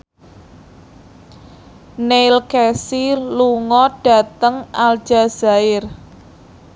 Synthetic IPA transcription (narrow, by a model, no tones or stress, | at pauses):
nelkɛsiluŋɔɖ̥ä̤t̪əŋald̥ʒ̥a̤z̥a̤ɪr